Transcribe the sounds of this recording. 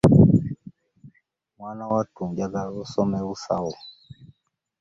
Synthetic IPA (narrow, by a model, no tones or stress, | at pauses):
mwanawatuŋd͡ʒaɡaɣɔsɔmɛusa̰wɔ